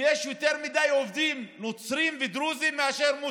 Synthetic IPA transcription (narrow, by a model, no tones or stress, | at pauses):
jeʃjot̪eʁmid̪ajovd̪imnot͡sɾimved̪ɾuzimːeaʃeʁmu